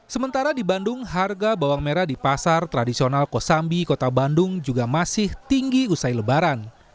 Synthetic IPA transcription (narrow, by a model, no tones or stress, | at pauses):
səmənt̪aɾadibandʊŋɦarɡabawaŋmeɾadipasart̪ɾadisionalkosambikot̪abandʊŋd͡ʒuɡamasɪht̪iŋɡiusajləbaɾan